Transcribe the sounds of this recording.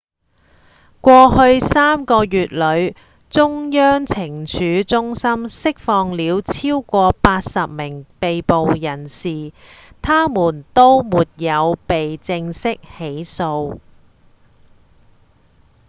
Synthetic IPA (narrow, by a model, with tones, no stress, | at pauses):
kʷɔː˧hɵ˧ɥsaː˥mkɔː˧jyː˨t̚lɵ˨˧ɥ | t͡sʊ˥ŋjœː˥ŋt͡sʰɪ˨˩ŋt͡ʃʰyː˨˥t͡sʊ˥ŋsɐ˥msɪ˥k̚fɔː˧ŋliː˨˧wt͡sʰiː˥wkʷɔː˧paː˧t̚sɐ˨p̚mɪ˨˩ŋpe˨jpo˨wjɐ˨˩nsiː˨ | t̪ʰaː˥muː˨˩nt̪o˥wmuː˨t̚jɐ˨˧wpe˨jt͡sɪ˧ŋsɪ˥k̚he˨˥jso˧w